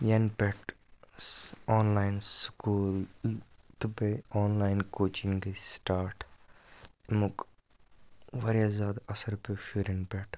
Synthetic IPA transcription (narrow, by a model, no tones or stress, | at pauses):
jɐnpeʈ | ɔːnlaːjnsskuːl | t̪ubeɔːnlaːɪnkoːt͡ʃiŋɡsʈaːɾʈ | muk | ʋɐɾjazaːd̪ɐsɐɾpeʃuɾɐnpeʈ